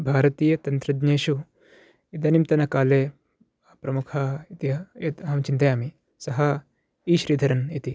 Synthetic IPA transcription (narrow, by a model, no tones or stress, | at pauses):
bʱaːɾɐt̪iːjɐt̪ɐnt̪ɾɐdneːʃu | id̪ɐnimt̪ɐnɐkaːleː | apɾɐmukʰaːit̪iɐjɐt̪ɐɦɐmt͡ʃint̪ɐjaːmi | sɐɦɐ | iːʃɾiːd̪ʱɐɾɐnit̪i